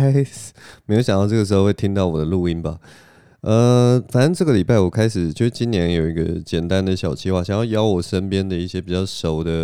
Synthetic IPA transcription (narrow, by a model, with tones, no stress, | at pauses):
me˧˥jo˧˥ɕjɑ˨ŋt̪ɑ˥˧ʈ͡ʂɤ˥˩ɡə˩ʂ̬̩˧˥xo˥˧xe˥˩ɪt̪ʰi˥ŋt̪ɑ˥˩ʊwɔ˨˩d̪ə˦lu˥˩i˥nba˨ | ə˧fa˨˩nə˥nʈ͡ʂɤ˥˩ɡə˩li˨˩pa˥˩ɪwɔ˨˩kʰa˥ɪʂɻ̩˨˩t͡ɕʰo˥˧˩ʂɻ̩˥˧t͡ɕi˥njɛ˧˥njo˨˩ʊi˧˥ɡə̰˧t͡ɕjɛ˨˩nt̪a˥˦nd̪ə˨ɕjɑ˨˩ʊt͡ɕʰi˥xwa˥˩ɕjɑ˨˩ŋjɑ˥˩ʊjɑ˥ʊwɔ˨˩ʂə˥npjɛ˥nd̪ə˨i˥˩ɕjɛ˥pi˨˩t͡ɕɑ˥˩ʊʂo˨˩ʊd̪ə˦